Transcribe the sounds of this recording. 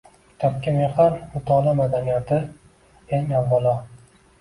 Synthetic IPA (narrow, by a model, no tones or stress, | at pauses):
t̪ʰap̚kʲamehaɾmʊt̪ʰɒlamad̪anijat̪ʰɪ | eŋavːalˠɒ